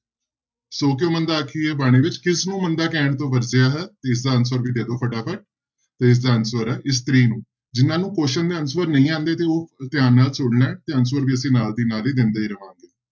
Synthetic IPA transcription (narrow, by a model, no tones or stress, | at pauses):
soːk̬ɪoːmənd̪aːkʰiːɛːbaːɽ̃eːʋɪt͡ʃkɪsnũːmənd̪aːkɛ̃ːɳt̪õːʋəɾd͡ʒjaːɦɛːt̪eːɪs̬d̪aːəns̬əɾʋiːd̪eːd̪oːpʰəʈaːpʰəʈ̚ | t̪eːɪs̬d̪aːənswəɾɛːʔɪs̬t̪ɾiːnũː | d͡ʒɪnːãːnũːkoːʃənd̪eːənsʋəɾnəĩːãːnd̪eːt̪eːoːt̪ɪjaːnːaːlsʊɽnɛːt̪eːəns̬wəɾʋiːəsĩːnaːld̪iːnaːliːd̪ɪnd̪aːiːɾəʋãːŋɡeː